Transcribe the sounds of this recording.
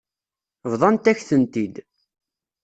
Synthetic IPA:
vðˤɑnt̪æçθənt̪id̪

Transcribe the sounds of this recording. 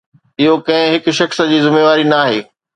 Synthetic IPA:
ɪɦokɐ̃ɦɪ̃ɦɪkʊ̆ʃɐxs̆d͡ʑiːzɪmeːʋaːɾinaːɦeː

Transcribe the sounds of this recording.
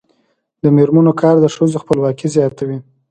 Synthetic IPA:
d̪əmeɾmanokʰɑɾd̪əʃəzoxpəlwɑkizjɑt̪awi

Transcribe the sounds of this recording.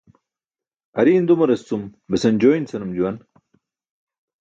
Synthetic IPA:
ɐɾiːnd̪umɐɾɐst͡sumbesɐnd͡ʑoːint͡sɐnumd͡ʑuwɐn

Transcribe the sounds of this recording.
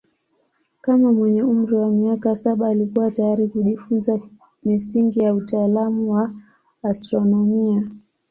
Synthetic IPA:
kamamwɛɲɛum̩ɾiwamiakasaɓaːlikuwatajaɾikuʄifunza | misiŋɡijautaːlamuwaː | stɾɔnɔmia

